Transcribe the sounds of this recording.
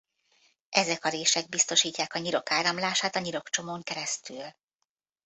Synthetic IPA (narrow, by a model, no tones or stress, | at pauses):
ʔɛzɛkɒɾeːʃɛɡ̚bist̪o̞ʃiːcːaːkɒɲiɾo̞kaːɾɒmlaːʃaːt̪ɒɲiɾo̞kt͡ʃo̞moːŋkɛɾɛst̪yːl